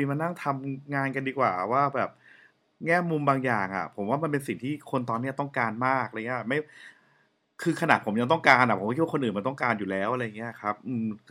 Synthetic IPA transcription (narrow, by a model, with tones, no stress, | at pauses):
i˧˩ma˧nːa˥˩ŋt̪ʰa˧mŋaː˧nka˧ndiː˧kwaː˨˩waː˥˩bɛː˨˩p̚ | ŋɛː˥˩mu˧mbaː˧ŋjaː˨˩ŋʔa̰˨˩pʰo˩˦mwaː˥˩ma˧npe˧nsi˨˩ŋt̪ʰiː˥˩kʰo˧nt̪ɔː˧nːi˦˥ɐt̪ɔ˥˩ŋkaː˧nmaː˥˩k̚a˧ŋi˦˥˩ma˥˩j | kʰɯː˧kʰa˧na˨˩t̪pʰo˩˦mja˧ŋt̪ɔ˥˩ŋkaː˧nʔa˨˩pʰo˩˦˥k̚ʰwa˥˧nʔɯː˨˩ma˧nt̪ɔ˥˩kaː˧njuː˨˩lɛː˦˥wʔa˧ɾa˧ja˨˩ŋi˦˥˩kʰɾa˦˥p̚ʔɯː˧